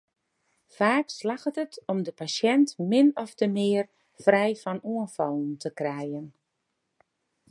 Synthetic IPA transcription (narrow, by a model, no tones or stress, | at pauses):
faːkslaxətətɔmdəpasjɛntmɪnɔftəmɪər | frɛjfɔnuənfɔlˠn̩tʰəkrɛjən